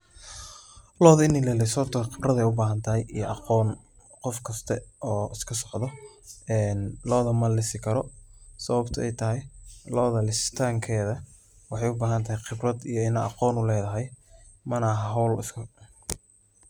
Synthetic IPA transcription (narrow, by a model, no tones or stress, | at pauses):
lɔːðɐɪnːɪlɛːlɛsɐb̚t̪ʰɐqɪbrɐðɛjʊbaːɦɐnt̪ʰɐɦɛjijɔʔɑqɔːn | qɔfkʰɐst̪ʰɐɔːɪskʰɐsɔʕðɔɛːnlɔːðɐmɐlɪsɪkʰɐɾɔsɐβɐbt̪ʰɐʔɛjt̪ʰɐɦɛjlɔːðɐlɪst̪ʰaːŋkʰɛːðɐ | wɑħɑjʊbaːɦɐnt̪ʰɐɦɛjqɪbrɐd̪ijɔɪnɐɑqɔːnʊlɛːðɐɦɛjmɐnɐɦɐɦɔwlɪ̰skʰɐ